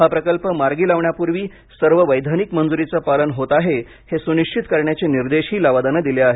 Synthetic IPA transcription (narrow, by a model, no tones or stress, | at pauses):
ɦapɾəkəlpəmaɾɡiːlaʋɳjapuɾʋiː | səɾʋəʋəjd̪ʱanikmənd͡zuɾit͡səpalənɦot̪aɦe | hesuniʂt͡ɕit̪kəɾɳjat͡ɕeniɾd̪eɕiːlaʋad̪anəd̪ileaɦe